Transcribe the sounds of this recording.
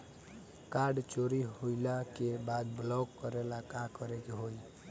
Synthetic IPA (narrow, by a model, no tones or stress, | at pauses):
kaɾɖt͡ʃoɾiɦojlakebad̪blɔɡkːəɾelakãkɔɾekeɦoj